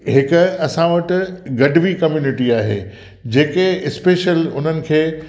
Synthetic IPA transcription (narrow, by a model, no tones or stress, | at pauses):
ɦɪkʊ̆ɐsãʋɐʈ̆ɡɐɖʱʋikɐmjuːnɪʈiaːɦḛː | d͡ʑeːkeɪspeːʃəlʊn̤ənɪ̆kʰeː